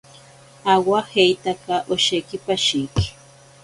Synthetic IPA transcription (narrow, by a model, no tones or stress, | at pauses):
awahejt̪akaʔoʃekɪpaʃijkɪ̥